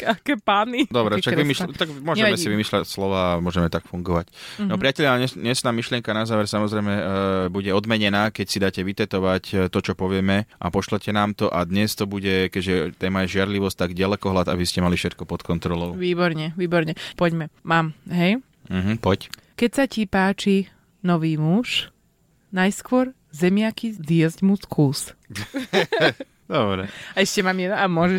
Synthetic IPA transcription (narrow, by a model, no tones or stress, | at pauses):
akɛpaːnid̪ɔbɾɛʃaɡimiʃt̪aɡmʊɔɲɛɛmmɛsiʋimiːʃlacslɔʋaːmʊɔʒɛmɛt̪akfuŋɡɔʋac̪ɔpɾɪacɛlaɲɛɲɛsnaːmiʃlɪɛŋkanazaːʋɛɾsamɔzɾɛɪmɛbuɟɛɔd̪mɛɲɛnaːkɛcsid̪aːcɛʋit̪ɛt̪ɔʋact̪ɔt͡ʃɔpɔʋɪɛmɛʔa̰pɔʃlɛcɛnaːmt̪ɔʔad̪ɲɛst̪ɔbuɟɛkɛʒɛt̪ɛːmajɛʒɪaɾliʋɔsct̪aɡɟalɛkɔɦlat̪a̰biscɛmalifʃɛt̪̚kɔpɔt̪kɔnt̪ɾɔlɔʊʋiːbɔɾɲɛʋiːbɔɾɲɛpɔɟmɛmaːmɦɛj | m̩ɦ̩pɔc | kɛcsacipaːt͡ʃi | nɔʋiːmuʃ | najskʊɔɾ | zɛmɪakizɪjɛzɟmuskʰuːs | d̪ɔbɾɛaɛʃcɛmaːmjɛd̪amʊɔʒɛ